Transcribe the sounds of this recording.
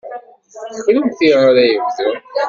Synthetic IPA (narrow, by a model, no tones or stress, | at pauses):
θə̥xləmθiʁaɾæjəvzə